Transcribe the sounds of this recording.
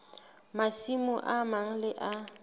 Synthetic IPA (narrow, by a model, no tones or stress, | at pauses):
masimʊʔamaŋ̩lɪʔa